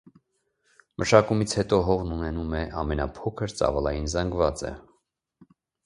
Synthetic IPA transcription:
mʔəʃɑkumit͡sʰhɛt̪ɔɦɔʁnunɛnumɛʔɑmɛnɑpʰɔkʰəɾt͡sɑ̰vɑlɑjinzɑŋɡvɑt͡sɛ̰

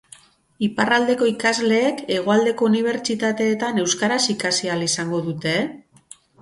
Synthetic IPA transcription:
iparald̪e̞ko̞ikazle̞ːke̞ɣ̞o̞ald̪e̞ko̞uniβ̞e̞ɾt͡ʃit̪at̪e̞ːt̪ane̞wskaɾasikasialisaŋɡo̞ðut̪e̞

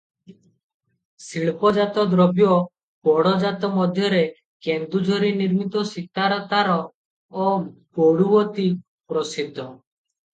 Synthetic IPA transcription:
siɭpɔd͡ʒat̪ɔd̪ɾɔbjɔ | pɔɽɔd͡ʒat̪ɔmɔd̪ʱjɔɾe | kend̪ud͡ʒʱɔɾiniɾmit̪ɔsikaɾɔt̪aɾɔː | pɔɽuwɔt̪i | pɾɔsid̪ʱːɔ

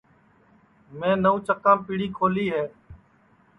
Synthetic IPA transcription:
mẽːnəũːt͡ʃəkãːpɪːɽiːkʰoːliːɦeː

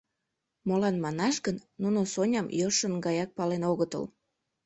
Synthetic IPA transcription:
molɑnmɑnɑʃɣənːunosonʲɑmjoʃənɡɑjɑk̚pɑlenoɣət̪ə̰l

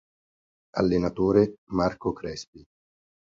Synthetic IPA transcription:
a̰lːenat̪oːɾemarkokɾɛspi

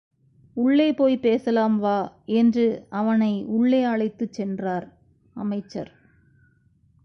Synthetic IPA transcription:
ʊɭːeɪpoːjpeːsɐlaːmʋaːɛndrɯɐʋɐnɐɪʊɭːeɐɭɐɪt̪ːɯt͡ʃːɛndraːɾ | ɐ̰mɐɪt͡ʃːɐ̰ɾ

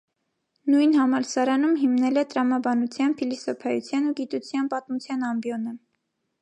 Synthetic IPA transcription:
nujnhɑmɑɾsɑɾɑnumɦimnɛlɛt̪əɾɑmɑbɑnut͡sʰjɑnfʰilisɔpʰɑjut͡sʰjɑnuɡit̪ut͡sʰjɑnpɑt̪mut͡sʰjɑnɑmbjɔnə

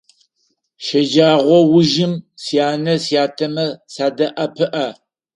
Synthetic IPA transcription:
ʃɐd͡ʒaːʁʷɔwʊʒɪmsijaːnɐsijaːtʰɐmɐsaːdɐʔɐpʰɨʔɐ

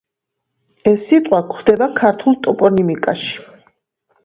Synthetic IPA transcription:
ɛsːit̪ʼqʼwakʰχd̪ɛbakʰaɾt̪ʰulˠt̪ʼɔpʼɔnimikʼaʃi̥

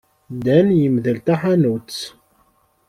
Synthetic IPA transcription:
d̪ænjəmðəlt̪aħanut͡sː

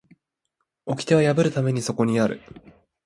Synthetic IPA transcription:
o̞kʲi̥t̪e̞βajabɯ̟ɾɯ̟t̪ame̞ɲ̟iso̞ko̞ɲ̟iaɾɯ̟̰

